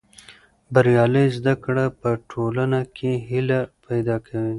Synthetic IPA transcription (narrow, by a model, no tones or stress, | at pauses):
baɾjɑləjzd̪akɽapəʈʰolanakʰeɦilapajd̪ɑkʰawi